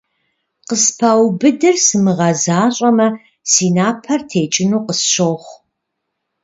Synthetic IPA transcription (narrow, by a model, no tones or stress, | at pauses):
qəspʰɐwbɨdɨrsɨmɨʁɐzaːɕʼɐmɐ | siːnaːpʰɐrtʰeːt͡ʃʼɪnuːqəsɕoːχʷ